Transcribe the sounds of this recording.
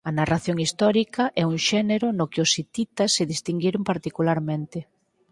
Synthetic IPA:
ɐnaraθjoŋist̪ɔɾikɐʔɛuŋʃɛneɾʊnokɪʊsit̪it̪ɐsːɪðist̪iŋɡiɾompaɾt̪ikulaɾmẽnt̪ɪ

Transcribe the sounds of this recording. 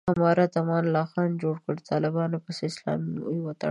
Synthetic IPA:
amɑɾat̪amɑnlɑxɑnd͡ʒoɽkəɽt̪ʰɑlɪbɑnopəseɪslɑ̰miujwat̪a̰

